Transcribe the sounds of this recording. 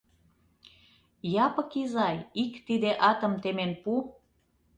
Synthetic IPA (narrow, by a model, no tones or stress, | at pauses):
jɑpə̆kizɑjikt̪id̪eʔɑt̪ə̆mt̪emenpu